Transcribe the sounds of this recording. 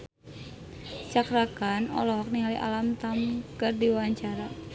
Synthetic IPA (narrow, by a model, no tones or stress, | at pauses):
t͡ʃakɾakanɔ̰lɔɦɔk̚niɦaliʔa̰lamt̪amkardiwawaɲt͡ʃaɾa